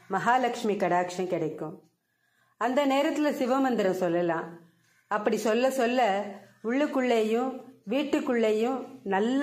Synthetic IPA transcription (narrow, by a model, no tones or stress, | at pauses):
mɐɦaːlɐkʂmikɐɽaːkʂɐ̃mkɪɽɐɪkːɯ̃ | ɐnd̪ɐneːɾɐt̪ːɪlɐsɪʋɐmɐnd̪ɪɾɐ̃msɔlːɐlãː | ɐpːɐɽisɔlːɐsɔlːɐʊɭːɯkːʊɭːɐjʊ̃ʋiːʈːɯkːʊɭːɐjʊ̃nɐlː